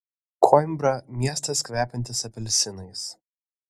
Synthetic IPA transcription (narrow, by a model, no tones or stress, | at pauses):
kʰɔɪmbɾɐmʲiɛst̪ɐskʋʲæːpʲɛnʲt̪ʲɪsɐpʲɛlʲsʲɪnɐɪs